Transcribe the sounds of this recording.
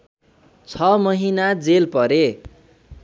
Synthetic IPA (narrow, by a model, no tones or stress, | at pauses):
t͡sʰʌmʌɦinad͡zelpʌɾe